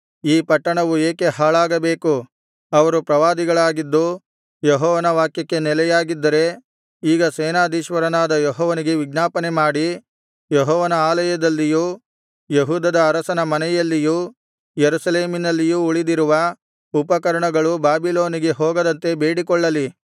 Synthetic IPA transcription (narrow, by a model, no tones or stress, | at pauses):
iːpɐʈːɐɳɐʋueːke̞ɦaːɭaːɡɐbe̞ːku | ɐʋɐɾupɾɐʋaːd̪iɡɐɭaːɡid̪ːu | jeɦɔːʋɐnɐʋaːkjɐkːe̞nɛlɛjaːɡid̪ːɐɾe̞ | iːɡɐsɛːnaːd̪iːʃʋɐɾɐnaːd̪ɐjɔɦɔːʋɐniɡe̞ʋiɡnaːpɐnemaːɽi | jeɦɔːʋɐnɐaːlɐjɐd̪ɐlːiju | jeɦuːd̪ɐd̪ɐːɾɐsɐnɐmɐnɛjɐlːiju | jeɾusɐle̞ːminɐlːijuuɭid̪iɾuʋɐ | upɐkɐɾɐɳɐɡɐɭubaːbilo̞ːniɡe̞ɦɔːɡɐd̪ɐnt̪e̞be̞ːɽikɔɭːɐli